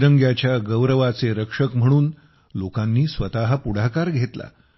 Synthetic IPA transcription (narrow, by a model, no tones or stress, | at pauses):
ɾəŋɡjat͡ɕjaɡəwɾəʋat͡seɾəkʂəkm̤əɽ̃uːn | lokanːiːsʋət̪aɦəpuɽaɦkaɾɡʱet̪la̰